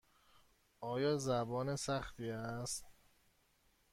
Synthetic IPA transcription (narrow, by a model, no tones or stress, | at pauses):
ʔɒːjɒːzæbɒːnesæxt̪iːæst̪